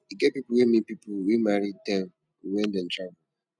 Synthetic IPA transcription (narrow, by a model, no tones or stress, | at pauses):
iɡɛpipʊwemĩpipʊwimaɾitɛ̃m | wɛn̩dɛ̃n̩tɹabu